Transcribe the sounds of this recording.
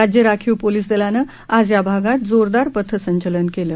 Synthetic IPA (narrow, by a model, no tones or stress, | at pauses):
ad͡ʑjəɾakʰiwpoliːs̬d̪elanə | ad͡zjabʱaɡat̪̚d͡zoɾd̪aɾpət̪ʰːəsəɲt͡ɕələnkeləː